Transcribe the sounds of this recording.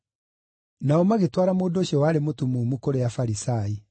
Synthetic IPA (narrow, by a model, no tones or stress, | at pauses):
naɔmaɣetwaːɾamoːndoːɕiɔwaːɾemotumumukoɾeafaɾisaːi